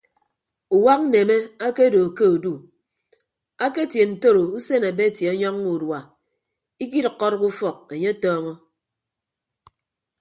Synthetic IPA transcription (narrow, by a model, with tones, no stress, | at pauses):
u˨wa˦k̚n̩˦ne˨me˦a˦ke˦˨do˨ke˦u˨du˦ | a˦ke˦tje˨n̩˨to˦ɾo˨u˦se˦na˨be˦˨tje˨ɔ˦ɲɔ˦ŋːu˨dwa˨ | i˦ki˦ɾkːɔ˦ɾku˦fɔ˨k̚e˨ɲe˦tɔː˦ŋɔ˦